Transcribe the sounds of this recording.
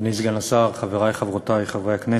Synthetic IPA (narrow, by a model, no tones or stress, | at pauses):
bnizɡanasaʁχaveʁajχavʁot̪ajχavʁeakne